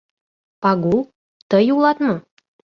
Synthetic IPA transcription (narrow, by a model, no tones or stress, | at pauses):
ɑɡu | t̪ɤjulˠɑt̪mɤ